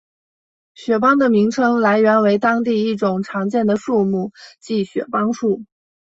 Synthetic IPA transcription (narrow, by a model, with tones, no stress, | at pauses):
ɕɥɛ˨˩pɑ˥ŋd̪ə˨mi˧˥ŋʈ͡ʂʰɤ˥ŋla˧˥ɪɥɛ˧˥nwe˧˥ɪt̪ɑ˥ŋt̪̬i˥˧i˥˩ʈ͡ʂʊ˨˩ŋʈ͡ʂʰɑ˧˥ŋt͡ɕjɛ˥˩nd̪ə˩ʂu˥˧mu˥˩t͡ɕi˥˩ɕɥɛ̰˨˩pɑ˥ŋʂu˥˩